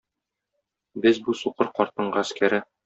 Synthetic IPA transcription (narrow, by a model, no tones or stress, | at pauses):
bɘzbusuqɤɾqɒɾt̪ɤ̆ɴɢɤæskæɾɘ